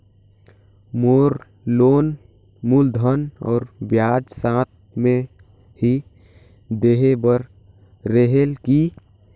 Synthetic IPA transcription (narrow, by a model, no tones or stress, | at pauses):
moːɾ | loːn | muld̪ʱənɔ̰ːɾbjaːd͡ʒsãːt̪̚mẽ | hi | d̪eɦebəɾ | ɾəɦelki